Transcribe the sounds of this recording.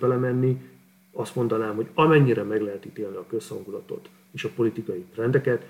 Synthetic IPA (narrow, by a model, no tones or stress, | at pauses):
bɛlɛmɛnːi | ɒst̪mo̞nd̪ɒnaːmɦo̞ɟɒmɛɲːiɾɛmɛɡlɛɦɛt̪it̪eːlniɒkø̞shɒŋɡulɒt̪o̞̰t̪ | eːʃɒpo̞lit̪ikɒjit̪rɛnd̪ɛkɛt̪